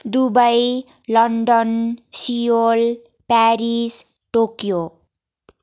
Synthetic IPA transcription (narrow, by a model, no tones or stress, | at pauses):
d̪ubʌj | lʌɳɖʌnsiol | paɾis | ʈokjo